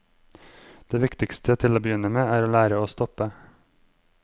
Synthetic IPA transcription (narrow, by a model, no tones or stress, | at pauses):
d̪̥eːʋɪkt̪ɪkst̪ʰət̪ʰɪloːbəjʏnəmeːæːɾoːlæːɾəoːst̪ɔpə